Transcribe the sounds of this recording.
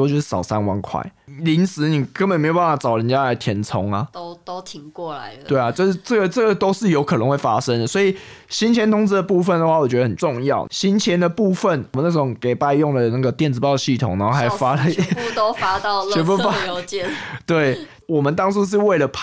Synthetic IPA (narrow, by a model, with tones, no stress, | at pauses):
ɔ˥˧t͡ɕjo˥˧ʊʂ̩˥˩ɑ̰˨˩ʊsa˥nwa˧˥ŋkʰwa̰˥˩ɪli˧˥nsɹ̩˧˦ni˨˩kə˦nbə˨nme˧˥jba˥˩fɑ˥˩ɑ˨˩ʊɻə˦nt͡ɕja˦˥la˧˦ɪt̪ʰjɛ˧˥nt͡sʰʊ˧˥ŋa˨o˥ʊt̪o˥ʊt̪ʰi˧˦ŋkwɔ˥˩la˨˧˦ɪt̪we˥˩ɪa˨˩t͡ɕjo˥˧ʂ̩˥˧ʈ͡ʂə˥˩ɡə˩ʈ͡ʂə˥˩ɡə˨˩t̪o˥ʊʂɻ̩˥˩jo˧˥ʊkʰɤ˨˩nə˧˦ŋxwe˥˩ɪfa˦ʂə˦ŋd̪ə˨˩swɔ˧˥i˨˩ | ɕi˥˦nt͡ɕʰjɛ˧˥nt̪ʰʊ˥ŋt͡s̩˧˥d̪ə˨˩pu˥˧fə˨˩nd̪ə˨xwa˥˩wɔ˨˩t͡ɕɥɛ˧˥də˧˩ə˨˩nʈ͡ʂʊ˥˧ŋjɑ˥˩ʊɕi˥nt͡ɕʰjɛ˦˥nd̪ə˨pu˥˧fə˥˩nwmə˨˦na˥˩˥o˧˦ŋke˨˩ɪpa˥˧ɪjʊ˥˩ŋdə˩na˥˩ɡə˩t̪jɛ˥˩nd͡z̩˨˩pɑ˥˧ʊd̪ə˩ɕi˥˩t̪ʰʊ˨˩ŋna˧˥xo˥˧a˧˥˨fa˦˥lə˨˥˧o˥ʊfa˥t̪ɑ˥˧ɛ˧˥bu˥a˥˧t͡ɕɛ˨t̪we˥˩ɪ | wɔ˨˩mə˨nt̪ɑ˥ŋt͡sʰu˥ʂ̬ɻ̩˥˧we˥˩ɪlə˨˩pʰ